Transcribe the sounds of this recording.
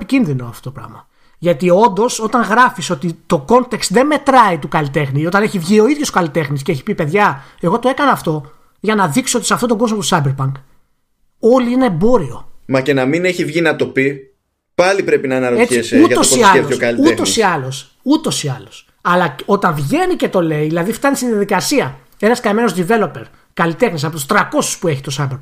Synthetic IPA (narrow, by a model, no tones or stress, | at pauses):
picinðino̞ɐft̪o̞t̪opɾɐ̰ɣmɐ | ʝɐt̪io̞nd̪o̞so̞t̪ɐŋɣɾɐfiso̞t̪it̪o̞ko̞nt̪ekst̪ðe̞nme̞t̪ɾɐit̪ukɐlit̪e̞xniot̪ɐne̞çivʝio̞iðʝo̞so̥kɐlit̪e̞xnisceeçi̥pipe̞ðʝɐe̞ɣo̞t̪o̞e̞kɐnɐːft̪o̞ | ʝɐnɐðiksoot̪isɐft̪ot̪oɡo̞zmot̪u̥sɐbeɾpɐŋk | o̞liineːbo̞ɾio̞̰mɐce̞nɐmine̞çivʝinɐt̪o̞pi | pɐlipɾe̞pinɐnɐɾoeiesuɐosiɐleookɐliut̪o̞ssiɐlo̞s | ut̪o̞siɐlos | ɐlɐo̞t̪ɐɱvʝe̞nice̞t̪o̞le̞iðilɐðift̪ɐnist̪iðijɐðikɐsiɐ | e̞nɐskɐme̞nozd̪ive̞lo̞pe̞ɾ | kɐlit̪e̞xnisɐpo̞t̪ust̪ɾɐko̞su̥spue̞çit̪o̞sɐbeɾp